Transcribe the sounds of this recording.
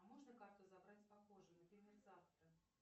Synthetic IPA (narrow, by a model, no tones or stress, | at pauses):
ɐmɔʐnəkart̪ʊzabɾat͡sʲpaxoʐɨnɐpʲɾʲemʲerzaft̪ɾə